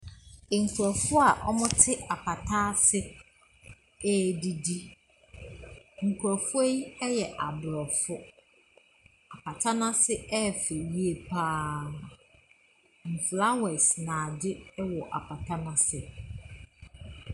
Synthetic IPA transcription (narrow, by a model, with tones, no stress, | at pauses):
ŋ̩˨kʰʷu˨ɾɔ˨fʊ˦a˨ʔɔ̰˦mʊ̃˦tʰɪ˦ʔa˨pʰa˨tʰa˦sɪ˦ | e˦di˨di˦ | ŋ̩˨kʰu˨ɔ˨fʊ˦e˦ɛ˦jɛ˨ʔa˨bɾɔ˨fʊ˦ | a˨pʰa˨tʰa˦nã˦sɪ˦ɛ˦˨fɪ˨wi˨e˨pʰaː˦˨ | m̩˨fʰla˦wɛ˨snãː˨dɪ˦wɔ˨ʔa̰˨pʰa˨tʰa˦nã˦sɪ˨